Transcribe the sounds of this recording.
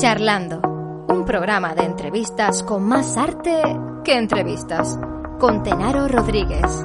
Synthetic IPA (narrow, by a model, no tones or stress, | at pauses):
t͡ʃaɾland̪o | umpɾoɣɾamaðeːnt̪ɾeβist̪askoŋmasaɾt̪ekeːnt̪ɾeβist̪as | kont̪enaɾoroðɾiɣes